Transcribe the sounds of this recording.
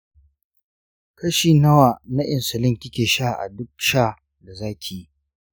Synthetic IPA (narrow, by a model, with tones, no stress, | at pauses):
kɐ˦ʃiː˨nɐ˦waː˨na˦ʔɪ˨nsʊ˨lɪ˦ŋkʲɪ˦kʲeː˨ʃa˦˨ʔa̰˨dʊ˦k̚ʃaː˦ | da˨zaː˦kʲʰei˨i˦